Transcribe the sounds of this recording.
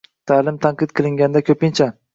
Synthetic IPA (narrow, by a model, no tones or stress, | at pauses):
t̪ʰaːlɪmt̪ʰaɴqɨt̪̚qʰɨlˠɪŋɡʲand̪akʲʰɵpɪnt͡ʃʰa